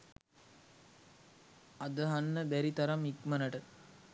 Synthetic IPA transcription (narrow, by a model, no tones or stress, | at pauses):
ɐd̪əɦɐnːəbæɾit̪ɐɾɐmikmɐnɐʈə